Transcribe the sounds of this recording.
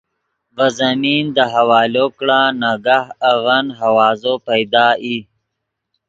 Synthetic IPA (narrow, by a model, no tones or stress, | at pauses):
vazamind̪əɦawɑːlokɽanaɡahaɣanɦawɑːzopajd̪ɑːʔi